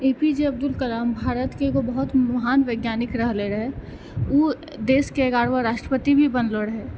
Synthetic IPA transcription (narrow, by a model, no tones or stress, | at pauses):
eːpid͡ʒeɐb̚d̪ʊlkəlaːmbʱaːɾət̪kekobəɦʊt̪mɐɦaːnʋəɪɡjaːnɪkɾəɦleɾəɦe | uː | d̪eːskeeɡaːɽʋaɾaːʃʈɾəpət̪ibʱibənloɾəɦe